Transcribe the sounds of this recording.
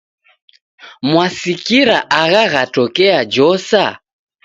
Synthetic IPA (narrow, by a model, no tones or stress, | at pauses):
mwasikiɾaʔaɣaɣatɔkɛad͡ʒɔsa